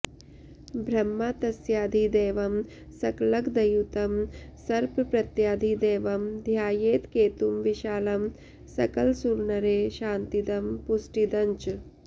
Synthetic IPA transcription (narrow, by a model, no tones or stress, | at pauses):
bʱɾɐmːat̪ɐsjaːd̪ʱid̪eːʋɐm | sɐklɐɡd̪ɐjut̪ɐmsɐɾppɾɐt̪jaːd̪ʱid̪eːʋɐmd̪ʱjaːjeːt̪keːt̪umʋiʃaːlɐm | sɐkɐlsuɾɳɐɾeːʃaːnt̪id̪ɐmpusʈid̪ɐɲt͡ʃ